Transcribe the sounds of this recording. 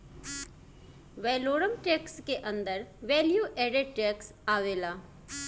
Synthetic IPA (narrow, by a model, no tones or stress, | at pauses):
ʋɛːloːɽəmʈeːkskeʔə̃nd̪əɾʋɛːljuʔeːɖeʈeːks | aːʋeːlaː